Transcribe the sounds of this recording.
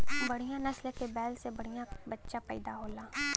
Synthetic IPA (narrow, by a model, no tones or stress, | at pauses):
bɐɽ̤ijãnɐslekebɛːlsebɐɽ̤ijãbɐtːʃapɛ̰ːɪd̪aɦoːlaː